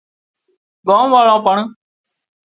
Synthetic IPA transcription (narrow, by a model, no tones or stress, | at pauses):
ɡõːmʋaːlãːpəɳ